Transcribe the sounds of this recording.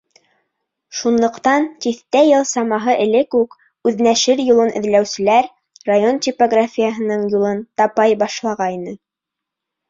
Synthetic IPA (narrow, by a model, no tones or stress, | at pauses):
ʃunlˠɤ̆qt̪ɑnt̪iθt̪æjɤlˠsɑmɑɦɤʔɘ̆lɘkʉk | ʉðnæʃɘɾjulˠɤnʔɘ̆ðlæwsɘ̆læɾ | rajont̪ʲipoɡrafʲijəɦɤ̆nɤɴjulˠɤnt̪ɑpɑjbɑʃlˠɑʁɑinɤ